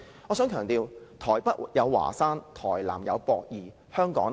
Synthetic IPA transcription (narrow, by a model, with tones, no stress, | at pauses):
ɔː˨˧sœː˨˥ŋkʰœː˨˩ŋt̪iː˨˧wt̪ʰɔː˨˩jpɐ˥t̚jɐ˨˧wwa̰ː˨˩saː˥nt̪ʰɔː˨˩jla̰ː˨˩mjɐ̰˨˧wpɔː˧k̚jiː˨˩ | hœː˥ŋkɔ̰ː˨˥ŋ